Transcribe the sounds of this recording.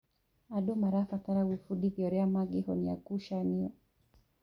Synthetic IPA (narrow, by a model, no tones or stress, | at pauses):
aɗɔmaɾafataɾawifuɗiðjɔɾɛamaɡihɔnia̰kuʃaniɔ